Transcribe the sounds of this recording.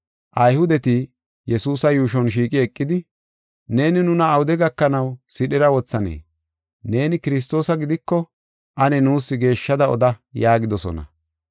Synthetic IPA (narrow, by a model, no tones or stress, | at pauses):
ʔɐjhʊd̪ɛt̪i | jɛsuːsɐjuːʃ̬ɔnʃ̬iːkʼɪɛkʼːɪd̪ɪ | ne̞ːnɪnʊnɐːwʊd̪ɛɡɐkːɐnɐwsɪɗɛɾɐwɔt͡sːɐnḛː | ne̞ːnɪkɪɾɪs̬t̪o̞ːsɐɡɪd̪ɪkːɔ | ʔɐnɛnuːsːɪɡe̞ːʃːɐd̪ɐɔ̰d̪ɐjaːɡɪd̪ɔsɔ̰nɐ̰